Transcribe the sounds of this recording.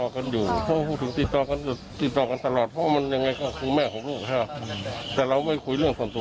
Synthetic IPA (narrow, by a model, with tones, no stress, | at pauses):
ɔː˧ka˧njuː˨˩pʰɔ˧a˧pʰuː˧˩t̪̚ʰɯ˨˦ŋt̪i˧˩t̪ːɔː˧ka˧nka˧˩t̪i˧˩ɔː˨˧˩ka˧nt̪a˧lɔː˨˩t̪̚pʰɔ˧a˧ma˧˥nja˧ŋa˧jkɔː˧˩kʰu˧mɛː˧˩kʰɔː˨˦ŋloː˥˩k̚t̪ʰɛː˧˩t̪ɛː˨˧˩ɾa˧wma˥˩jkʰu˧˥jlɯ˥˩əŋsu˧˩ənt̪u˧